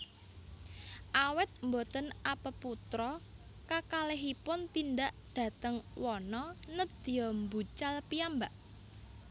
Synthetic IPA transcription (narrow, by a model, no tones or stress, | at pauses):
ʔawɛt̪̚mbot̪ənapəput̪ɾɔ | kakaleɦipʊnt̪indaʔd̪̥ä̤t̪əŋwɔnɔnəd̪̥i̤jɔmbut͡ʃalpiambaʔ